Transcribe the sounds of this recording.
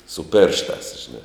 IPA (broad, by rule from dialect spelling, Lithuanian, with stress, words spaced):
sʊ ˈpʲeːrʃˌtɑːs ʒʲɪˈnɐ